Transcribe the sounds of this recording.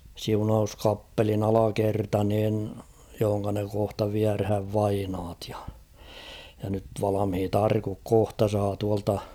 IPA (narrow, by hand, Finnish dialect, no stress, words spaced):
siunɑuskɑpːelin ɑlɑkertɑ niːn johoŋkɑ ne kohtɑ ʋiærhæʋ ʋɑinɑːt j̊ɑ̥ jɑ nyt ʋɑlɑmhit ɑrkuk kohtɑ sɑː tuɑltɑ